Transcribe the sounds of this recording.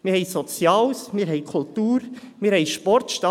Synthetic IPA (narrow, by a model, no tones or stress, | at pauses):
mɪːhɛɪsɔt͡sjɑːwsmiːɾɦɛɪkʰult̪uːɾ | miːɾhɛɪʃpɔrtʃtɑ